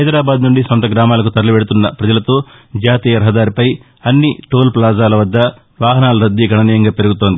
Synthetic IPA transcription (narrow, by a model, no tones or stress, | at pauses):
ɦɐjd̪ɾaːbaːd̪nuɳɖisɔnt̪ɐɡɾaːmaːlɐk̬ut̪ɐɾluʋeɽut̪unːɐpɾɐd͡ʒɐlɐt̪o̞ːd͡ʒaːt̪iːjɐɾɐɦɐd̪aːɾipɐj | ɐnːiʈoːlplaːzaːlɐʋɐd̪ːɐ | ʋaːɦɐnaːlɐɾɐd̪ːiɡʱɐɳɐniːjɐŋɡaːpe̞ɾuɡut̪o̞ːnd̪i